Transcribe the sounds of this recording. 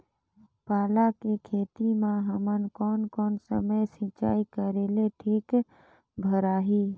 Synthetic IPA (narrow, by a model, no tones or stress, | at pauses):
paːlakekʰeːt̪imãɦəmənkɔːnkɔːnsə̰məjsɪ̃t͡ʃa̰ːikəɾeːleʈʰiːk | bʱəɾaːɦiː